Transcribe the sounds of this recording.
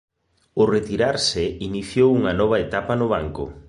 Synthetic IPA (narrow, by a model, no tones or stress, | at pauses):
ʊret̪iɾaɾsɪiniθjowuŋɐnɔβ̞ɐet̪apɐnʊβ̞aŋkʊ̰